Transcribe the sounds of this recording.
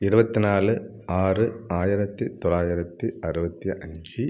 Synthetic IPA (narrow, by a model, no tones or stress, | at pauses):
ɪɾɯbɐt̪ːinaːlɯ | aːrɯaːjɪɾɐt̪ːit̪ɔlaːjɪɾɐt̪ːiɐɾɯbɐt̪ːiʔɐɲd͡ʒɯ